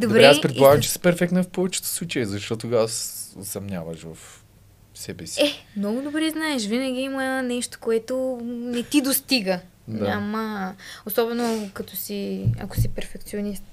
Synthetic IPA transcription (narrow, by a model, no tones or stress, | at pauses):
d̪obɾɛɛapɾɛt̪olˠaɡɐmt͡ʃɛ̥sɛ̥pɛɾfɛktnɐfpɔvɛt͡ʃɛ̥t̪o̥slˠut͡ʃɛjəzɐʃt̪ɔt̪ʊɡaso̰sɐmnʲa̰vɐʃvɐf | sɛbɛsiɛmnɔɡʊd̪obɾɛznaɛʃvinɐɡʲiimənɛʃt̪o̥koɛt̪onɛt̪id̪ost̪iɡə | d̪aamɐosɔbɛnokɐt̪ɔsiɐ̰kʊ̥sipɛɾfɛk̚t̪sionist̪